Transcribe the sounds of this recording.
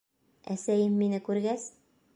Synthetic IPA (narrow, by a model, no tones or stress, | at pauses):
æ̰sæjɘmːinɘkʉɾɡæs